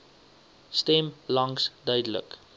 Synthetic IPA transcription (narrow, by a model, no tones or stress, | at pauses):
stɛmlɐŋsdœɥdələ̰k